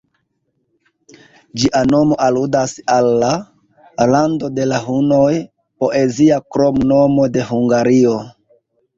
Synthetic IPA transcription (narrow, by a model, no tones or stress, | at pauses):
d͡ʒiʔano̞mo̞ʔaludasalːa | lando̞de̞laɦuno̞j | po̞ʔe̞ziakɾo̞mno̞mo̞de̞ɦuŋɡaɾio